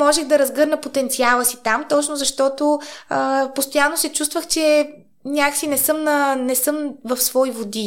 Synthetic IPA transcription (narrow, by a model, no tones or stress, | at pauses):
mɔʒɛɣd̪ɐɾɐzɡɤɾnəpot̪ɛnt̪sialˠəsit̪amt̪ɔt͡ʃnozɐʃt̪ɔt̪oəpost̪ojanːosɛt͡ʃust̪vəxt͡ʃɛ | nʲaksinɛsɤmnənɛsɤmvɐfsvɔivod̪i